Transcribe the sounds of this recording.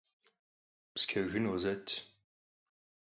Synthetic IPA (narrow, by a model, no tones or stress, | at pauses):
pskʲʰɐʒʷɨnozɐtʰ